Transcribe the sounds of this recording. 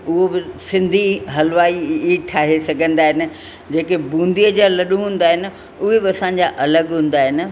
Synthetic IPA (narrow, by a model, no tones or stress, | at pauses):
ʊɦobɪsɪ̃nd̪ʱiɦɐlʋaːiiʈʰaːɦesɐɡʱə̃nd̪aːɦɪnɪ̆ | d͡ʑeːkebũːnd̪ʱijəd͡ʑaːlɐɗũɦũːn̆d̪aːɦɪnɪ̆ | ʊɦebɪɐsãːɲ̆d͡ʑaʔɐləɡɦũːn̆d̪aːɦɪnɪ̆